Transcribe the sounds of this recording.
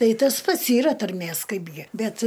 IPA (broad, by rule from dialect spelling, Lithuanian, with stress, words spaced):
ˈtɐɪ ˈtɐs ˈpɐts iːˈrɐ tɐrʲˈmʲeːs ˈkɐɪbʲɡʲɪ ˈbʲɛt